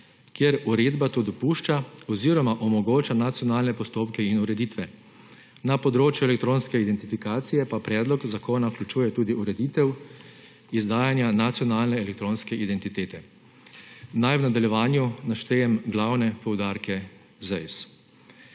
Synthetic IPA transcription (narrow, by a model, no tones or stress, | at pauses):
kjeɛɾuɾeːd̪bat̪oːd̪ɔpuːʃt͡ʃaɔziɾɔmaʔɔmɔɡoːt͡ʃanat̪sijɔnaːlnɛpɔst̪oːpkɛinuɾɛd̪it̪ʋɛ | napɔd̪ɾoːt͡ʃjuɛlɛk̚t̪ɾoːnskɛid̪ɛnt̪ifikaːt̪sijɛpapɾɛːd̪lɔkzakoːnauklʲut͡ʃuːjɛt̪uːd̪iuɾɛd̪iːt̪ɛw | izd̪aːjanjanat̪sijɔnaːlnɛɛlɛk̚t̪ɾoːnskɛʔid̪ɛnt̪it̪eːt̪ɛ | najwnad̪aljɛʋaːnjunaʃt̪ɛːjɛmɡlawnɛpɔwd̪aɾkɛ | zɛjs